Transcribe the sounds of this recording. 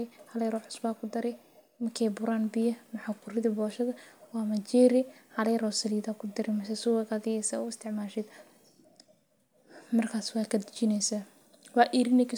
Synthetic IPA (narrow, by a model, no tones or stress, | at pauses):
ɛhɐlɛjɾɔːħʊ̥sbaːkʰʊd̪ɐɾɛj | mɐkʰɛːbʊɾaːnbɪjɐmɐħakʰʊɾɪðibɔːʃɐðɐwɑːmɐt͡ʃɛːɾɪhɐlɛjɾɔːsɐliːdaːkʰʊd̪ɐɾɛmɐsɛsʊwɛɡaðɪjɛsaːʊɪst̪ʰɪʕmaːʃɛd̪ | mɐrkʰaːswaːkʰɐd̪ɪt͡ʃɪnɛjsa | wɑʔiːɾɪnɛkʰi